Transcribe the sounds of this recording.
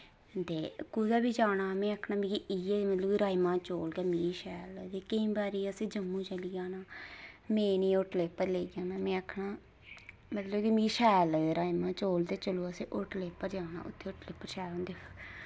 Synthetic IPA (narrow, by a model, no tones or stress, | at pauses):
t̪eːkuːd̪aːbiːd͡ʒaːnaːmɛ̃ːəkʰnaːmĩːkiieːmət̪ləkiɾaːimãːt͡ʃoːlkɛːmiːʃɛːlt̪eːkəĩːbaːɾiːəsẽːd͡ʒəmːũːt͡ʃəlɪjaːnaːmẽːnĩːoʈleːpːəɾleːɡjãːmɛ̃ːmẽːəkʰɳaː | mət̪ləkiːmiːʃɛːlɾaːimãːt͡ʃoːld̪eːt͡ʃəloːəsẽːʔʊʈleːpːəɾd͡ʒaːna̰ːʔʊ̰t̪ʰːeːʊʈleːpːəɾʃɛːɦõːnd̪eːə